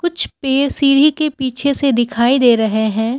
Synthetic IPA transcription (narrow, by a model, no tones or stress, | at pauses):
kʊt͡ʃʰpeːɾsiːɽ̤ikepiːt͡ʃʰesed̪ɪkʰaːid̪eːɾɐɦeɦɛ̃ː